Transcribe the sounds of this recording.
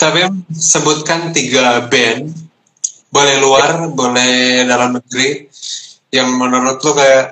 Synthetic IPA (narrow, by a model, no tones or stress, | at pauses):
t̪apisəbut̪̚kant̪iɡabɛn | bolɛhluarbolɛdalamnəɡɾi | jaŋmənuɾʊt̪̚lukajaʔ